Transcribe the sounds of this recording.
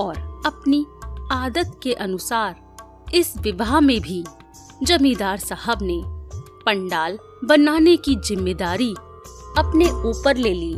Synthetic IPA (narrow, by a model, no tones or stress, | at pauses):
ɔːɾɐpniaːd̪ət̪keʔɐnʊsaːɾ | ɪsʋɪbamẽbʱi | d͡ʒɐmĩːd̪aːɾsəɦəbne | pɐ̃ɳɖaːl | bɐnaːnekizɪmːeːd̪aːɾi | ɐpneuːpəɾleːliː